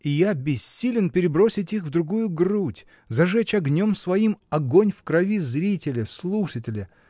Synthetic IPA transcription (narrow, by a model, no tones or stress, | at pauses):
ɪjabʲɪsʲːilʲɪnpʲɪɾʲɪbɾo̞sʲɪtʲixvd̪ɾʊɡujʊɡrutʲ | zɐʐɛt͡ɕɐɡnʲo̞msvɐimɐɡonʲfkɾɐvʲizɾʲitʲɪlʲɪslˠuʂətʲɪlʲɪ